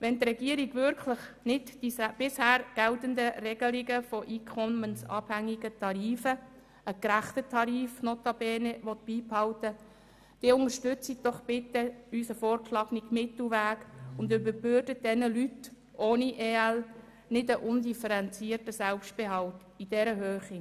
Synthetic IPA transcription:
ʋɛntɾɛɡiəɾiɡʋʏɾkʰləχ | nɪdd̥isb̥ɪshæːɾɡ̥ɛltənd̪əɾɛɡ̥əliɡəfɔʔiːkʰɔmənsɑ̰ːbhæŋːiɡətʰɑɾiːfə | əkɾæχtətʰɑɾiːfnɔt̪ɑb̥ɛːnəʋɔt̪̚b̥iːphɑltə | d̥iːʊnŋəɾʃtʏt͡sit̚d̪̥ɔχb̥ɪtəysəfoːɾkʃlɑːɡnɪkmɪt̪luʋæːkʊndybəɾb̥øɾdəd̥ɛnəlyt | ʔoːniʔeːɛl | nɪdəʔʊndifəɾɛnt͡siːrtəsɛlpʃt̚b̥eɦɑlt | id̥ɛɾəɦøːχi

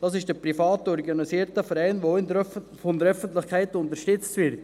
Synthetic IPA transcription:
d̥ɑːs̬ɪʃd̥əpɾifɑːtɔɾɡɑnisiːəɾtəfəɾaɪnʋoɪn | fɔnd̪əɾœfəntlɪχkʰæɪtʊnt̪əɾʃtʏt͡stvɪɾt

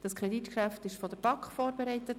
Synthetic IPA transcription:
d̥ɑskʰɾɛdit̪kʃæftɪʃfɔdəɾb̥ɑkχfɔːɾbeɾɛɪtət

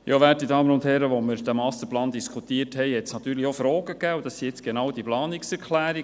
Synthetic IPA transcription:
jɑːʋæːt̚didɑːmənʊnthɛɾəʋɔməɾd̥æmɑstəplɑːnd̥iskʰutiːəthɛɪhɛtsnɑt̪yːɾliofɾɔːɡ̥əkæːud̥̪ɑsːiɛt͡sɡ̥enɑwdiplɑːniksɛɾkʰlæːɾi

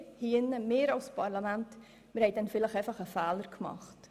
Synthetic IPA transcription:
hiənəmeːɾɑlspʰɑrləmænt | məɾhɛt̚dɛnfiləχɛjfɐχəfæːlərkmɑ̰χt

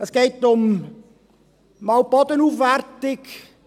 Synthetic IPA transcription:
əsɡ̥eɪtʊm | mɑwpɑdənuːfʋærtɪk

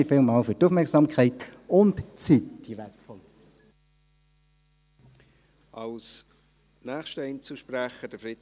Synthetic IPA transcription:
ifɪlmɑːlfytufmɛʁksɑmkʰɛɪtʊntt͡sitd̥iʋɛtfɔl | ɑls | næːχʃtɛɪnt͡suʃpɾæχəd̥əfɾɪt

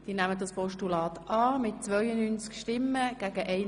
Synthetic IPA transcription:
d̥iːnæmədɑspɔʃtulɑːt̪ʔɑːmɪt̚t͡sʋœʏənyːnt͡skʃtɪmːəɡ̥æːɡ̥əʔɛɪ

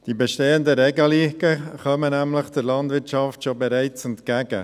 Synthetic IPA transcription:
d̥ibɛʃteːəndəɾɛɡəliːɡəχœmənæmləχdəɾlɑnd̪ʋɪɾʃɑftʃobɛɾæɪtt͡sɛnt̪kæɡ̥ə̰

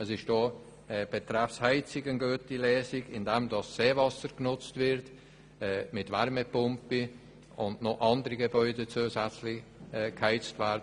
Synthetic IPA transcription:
əsɪʃtdoː | ɛb̥ɛtɾɛfshɛɪt͡sɪɡənɡøːtilɛːsɪɡɪndɛmdɑsːeːvɑsəɾɡ̥nʊt͡stvɪɾt | ɛːmɪtvɛɾmepʊmpi | ʊndnoʔɑndəɾiɡebœʏdet͡suːsæt͡slɪçɛkhɛɪt͡stvæːɾdə

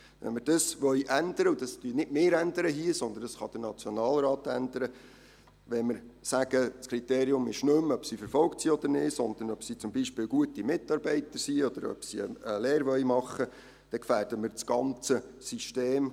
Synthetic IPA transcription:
ʋɛ̰nməɾd̥əsʋœɥʔænd̪əɾəud̥ɑst̪ynɪdmeːɾænd̪əɾəɦiəsɔnd̪əndɑsχɑ̰d̥ənɑt͡sjɔnɑːlɾɑːt̪ænd̪əɾə | ʋɛnmɪɾsæɡ̥əskɾit̪eːɾiʊmɪʃnømœpsifəɾfɔlktsiɔd̪̥əɾnɪːtsɔnd̪ənœpsit͡sʊmbiʃpɪːlɡ̥uətimɪtːɑɾbɛɪtəɾsiɔd̪əɾœ̰psiə̰əleːɾʋœʏmɑχːə | d̥ɛkfæːɾd̥əməɾt͡sɡ̥ɑnt͡səsiʃteːm

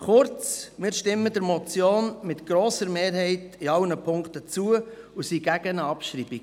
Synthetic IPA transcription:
χʊɾt͡smɪːɾʃtɪmːədəɾmɔt͡sjoːnmɪt̪ɡ̥ɾɔːsəɾmeːɾhɛɪtiɑlnəpʰʊŋkt̪ət͡suːə | usiɡ̥æɡ̥ənəɑpʃɾiːbiɡ

